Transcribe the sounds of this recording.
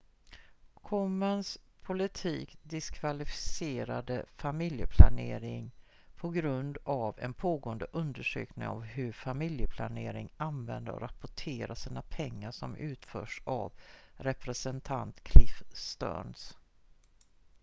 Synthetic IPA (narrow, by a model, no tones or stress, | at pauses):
kʰɔmːanspʰʊlɪt̪ʰiːkd̪ɪskʰvalɪfɪ̥seːɾad̪əfamɪljəpʰlaneːɾɪŋ | pʰɔɡɾɵnd̪avɛnpʰoːɡoːənd̪əʔɵnd̪əʂø̰ːknɪŋɔ̰vhɵɾfamɪljəpʰla̰neːɾɪŋanvɛnd̪əɔ̰ɾapʊʈʰeːɾaʂiːnapʰɛŋːaʂɔmʔʉ̟ːt̪fœːʂa̰vɾɛpɾɛsɛnt̪ʰa̰nt̪kʰlɪfst̪œ̰ːɳs